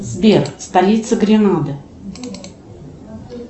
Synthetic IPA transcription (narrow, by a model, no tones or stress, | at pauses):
zbʲerst̪ɐlʲit̪səɡɾʲɪnad̪ɨ